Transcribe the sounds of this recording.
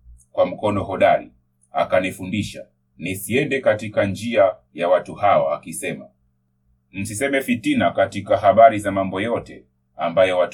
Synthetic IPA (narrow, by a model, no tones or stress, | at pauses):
kwam̩kɔnɔɦɔɗaɾḭ | a̰kanifundiʃa | nisiɛndɛkatikand͡ʒia | jawatuhaɔakisɛma | m̩sisɛmɛfitinakatikahaɓaɾizamambɔjɔtɛ | ambajɔwat